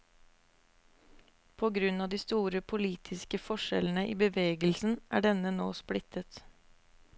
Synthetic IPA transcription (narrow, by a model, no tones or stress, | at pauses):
pʰoːɡɾʉnɑːd̪iːst̪uːɾəpʰʊliːt̪ʰɪskəfɔʃɛ̰ln̩əʔiːbəʋeːɡəlsn̩ʔæ̰ːɖɛnənoːsplɪt̪ʰət̪